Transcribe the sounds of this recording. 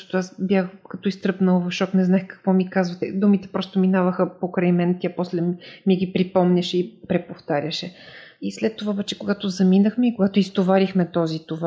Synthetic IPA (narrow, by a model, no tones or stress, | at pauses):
ɔ̥t̪oasbjaxkɐt̪ɔist̪ɾɤpnəlˠvɐfʃɔknɛznaɛxkɐ̥kvɔmikazvɐt̪ɛ̰d̪umit̪ɛpɾɔst̪ominavəxəpokɾajmɛnt̪ʲjapɔslɛmiɛɡipɾipɔmnʲɐʃɛipɾɛpoft̪aɾʲəʃɛislɛt̪ːovaobɛt͡ʃɛ̥koɡat̪ozɐminəxmɛikoɡat̪oist̪ovaɾixmɛt̪ɔzit̪ova